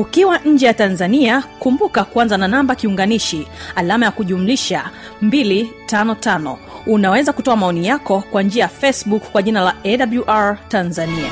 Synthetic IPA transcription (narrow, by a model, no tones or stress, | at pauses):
ukiwaɲ̩d͡ʒɛjatanzaniakumbukakuanzananambakiuŋɡaniʃialamajakuʄumuliʃa | mbilitanɔtanɔ̰unawɛzakutɔamaɔnijakɔkwand͡ʒiajafɛsɓukkːwaʄinalaɛɗabluʔaɹtanzania̰